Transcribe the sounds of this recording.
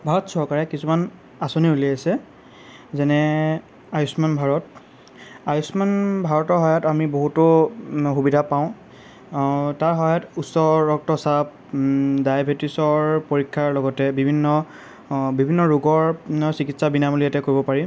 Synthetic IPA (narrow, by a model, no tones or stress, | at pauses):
bʱaɹɔtsɔɹkaɹɛkisuman | asoniuliaasɛ | zɛnɛ | ajusmanbʱaɹɔt̚ | ajusmanbʱaɹɔtɔɹɦɔjatamiboɦutʊxubidʱapaʊ̃ | taɹɦɔjatusɔɹɔk̚tɔsap̚ | dajabʱetisɔɹpoɹikʰːaɹlɔɡɔtɛbibʱinːɔ | bibʱinːɔɹuɡɔɹsikitsabinamolijatɛkoɹibɔpaɹi